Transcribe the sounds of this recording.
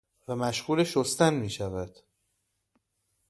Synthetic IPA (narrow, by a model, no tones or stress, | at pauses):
væmæʃɢuːleʃost̪ænmiːʃævæd̪̥